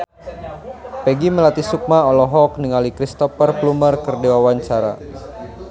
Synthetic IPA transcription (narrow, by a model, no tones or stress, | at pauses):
pɛɡiməlat̪isuk̚maɔlɔɦɔk̚niŋalikɾist̪ɔpərplumərkərdewawaɲt͡ʃaɾa̰